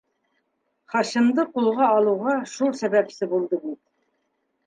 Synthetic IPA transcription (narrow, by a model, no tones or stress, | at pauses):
χɑɕɤ̆md̪ɤqulˠʁɑːlˠuʁɑʃulˠsæbæpsɘbulˠd̪ɤbit̪̚